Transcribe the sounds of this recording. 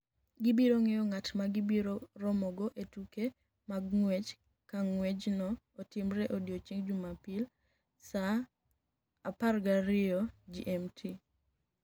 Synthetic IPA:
ɡɪbiɾoŋejɔŋatmaɡɪbiɾorɔmɔɡɔʔetuke | maɡŋwed͡ʒ | kaŋwed͡ʒnɔː | tɪmɾɛʔodjot͡ʃiŋd͡ʒumapil | sa | parɡaɾɪɔd͡ʒiʔɛmtʰi

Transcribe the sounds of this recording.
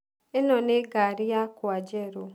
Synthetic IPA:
enɔnɪɡaɾɪjakʊad͡ʒeɾʊ

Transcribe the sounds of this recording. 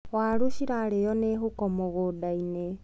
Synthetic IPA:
ɣwaluʃiɾalejɔnexukɔmoɣodaine

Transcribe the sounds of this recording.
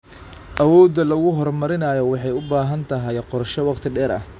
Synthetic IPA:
ʔɐwɔːd̪ɐlɐɣʊɦɔrmɐɾɪnɐːjɔwɑħɑjʊbaːɦɐnt̪ʰɐɦɛjqɔrʃɔwɑqt̪ʰɪɖɛːɾɐ̰h

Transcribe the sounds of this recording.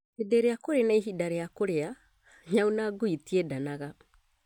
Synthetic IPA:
edeɾejakoɾenaiɦidaɾejakoɾea | ɲaunaɡoitiedanaɣa

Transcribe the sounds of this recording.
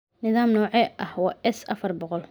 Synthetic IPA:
nɪðaːmnɔːʕɛʔɐhwɑːʔɛsɐfɐrbɔqɔl

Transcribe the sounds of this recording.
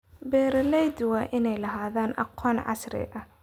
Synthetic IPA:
bɛːɾɐlɛjd̪ʊwɐʔɪnɛjlɐɦaːðaːnʔɑ̰qʰɔːnʕɑ̰sɾɛ̰ʔɐ

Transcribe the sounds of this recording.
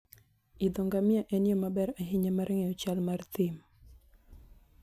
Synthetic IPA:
id̪ɔŋɡamɪaʔɛnɪjɔmabɛɾaɦɪɲamaɾʔɛŋɛɔt͡ʃalmart̪ɪm

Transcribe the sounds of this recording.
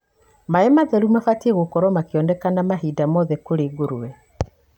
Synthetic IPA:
maɛmaðɛɾumafatiɛɣokɔɾwɔmakeɔndɛkanamaɦiːdamɔðɛkoɾeːɡoɾuwɛ

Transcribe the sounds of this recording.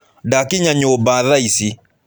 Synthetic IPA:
dakiɲaɲobaðaisi

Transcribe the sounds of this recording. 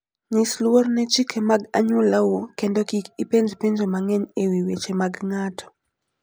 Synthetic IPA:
ɲislwɔrnɛt͡ʃikʰemaɡaɲulawukɛndɔkikipend͡ʒpend͡ʒemaŋɛnewiwet͡ʃemaɡŋatʰɔ̥

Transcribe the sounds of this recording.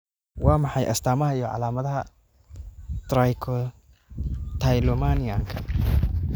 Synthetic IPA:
wɑːmɑħɑjʔɐ̰st̪ʰaːmɐɦɐijɔʕɑ̰laːmɐðɐɦɐ | t̪ɾajkʰɔ | t̪ʰajlɔmanijaŋkʰɐ

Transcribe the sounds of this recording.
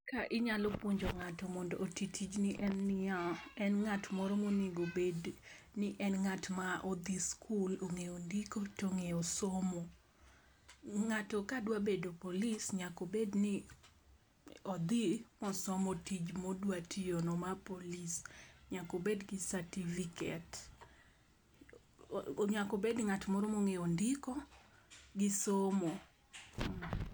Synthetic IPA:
kaʔɪɲalopwoɲd͡ʒoŋatɔmɔndɔʔotitʰid͡ʒniʔɛnːɪaɛnŋatmɔɾɔmonɪɡobed | nɪʔɛnŋatmaʔɔd̪iskʰuloŋeondikotoŋeosomo | ŋatɔkadwabedopolisɲakobednɪ | ɔd̪imɔsɔmotid͡ʒmodwatʰionɔmapolisɲakobedɡɪsatifikɛt | ɲakobednŋatmɔɾomoŋeondikɔ | ɡɪsomo

